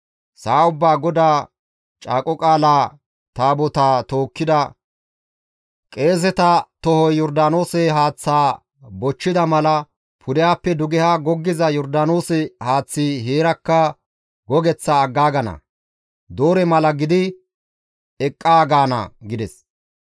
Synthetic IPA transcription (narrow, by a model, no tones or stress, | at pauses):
saːʊbːaːɡɔd̪aː | t͡ʃʼaːkʼɔkʼaːlaː | t̪aːbɔt̪aːt̪oːkːɪd̪ɐ | kʼe̞ːs̬ɛt̪ɐt̪ɔhɔjjɔɾd̪aːno̞ːsɛɦaːt͡sːaː | bɔt͡ʃːɪd̪ɐmɐlɐ | pʰʊd̪ɛjaːpːɛd̪ʊɡɛhaːɡɔɡːɪzɐjɔɾd̪aːno̞ːsɛhaːt͡sːiɦeːɾɐkːɐ | ɡɔɡɛt͡sːaːɡːaːɡɐnɐ̰ | d̪oːɾɛmɐlɐɡɪd̪ɪ | ɛkʼːaːɡaːnɐ̰ɡɪd̪ɛs